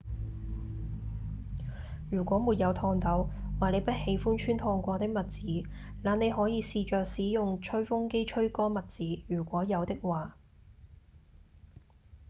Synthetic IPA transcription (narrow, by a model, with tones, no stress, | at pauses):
jyː˨˩kʷɔː˨˥muː˨t̚jɐ˨˧wt̪ʰɔː˧ŋt̪ɐ˨˥wwaː˨ne˨˧jpɐ˥t̚he˨˥jfuː˥nt͡ʃʰyː˥nt̪ʰɔː˧ŋkʷɔː˧t̪ɪ˥k̚mɐ˨t̚t͡siː˨˥ | laː˨˩ne˨˧jɦɔː˨˥jiː˨˧siː˨˧t͡ʃœː˨k̚siː˨˥jʊ˨ŋt͡ʃʰɵ˥ɥfʊ˥ŋke˥jt͡ʃʰɵ˥ɥkɔː˥mɐ˨t̚t͡siː˨˥jyː˨˩kʷɔː˨˥jɐ˨˧wt̪ɪ˥k̚waː˨